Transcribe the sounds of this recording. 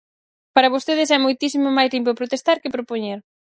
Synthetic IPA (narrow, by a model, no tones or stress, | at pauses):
paɾɐβost̪eð̞ɪsɛmojt̪isimomajzlimpopɾot̪est̪aɾkɪpɾopoɲeɾ